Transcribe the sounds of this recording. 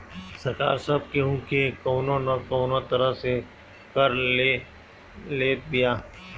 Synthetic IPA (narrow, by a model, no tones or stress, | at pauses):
sɐɾka̰ːɾsɐb̚keɦũkekɔːnõnɐkɔːnot̪ɐɾəɦse | kɐɾle | leːt̪̚b̪ijaː